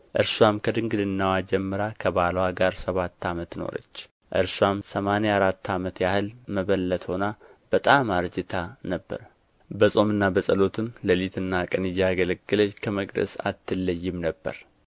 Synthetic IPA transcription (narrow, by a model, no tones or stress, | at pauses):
ʔɨɾswamkʰəd̪ɨŋɡɨlɨnːawad͡ʒɛmːɨɾakʰəβalwaɡaɾsəβat̪ːamət̪no̰ɾə̰t͡ʃː | ʔɨ̰ɾswamsəmaneaɾat̪ʰːamət̪jahɨlməβəlːət̪ho̞nab̥ət̪ʼamaɾd͡ʒɨt̪ʰanəbːə̰ɾ | bəsʼo̞mɨnːabəsʼəlo̞t̪ʰɨmləlit̪ʰɨnːakʼənɨjaːɡələɡːɨləɲːkʰəməkʼd̪ə̰sa̰t̪ʰːɨlːəjːɪmnəbːə̰ɾ